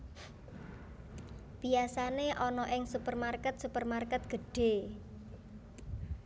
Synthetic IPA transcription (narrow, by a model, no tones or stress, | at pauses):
b̥iasaneʔɔnɔʔɪŋsupərmarkɛt̪̚supərmarkɛt̪̚ɡ̥ə̤ɖ̥e̤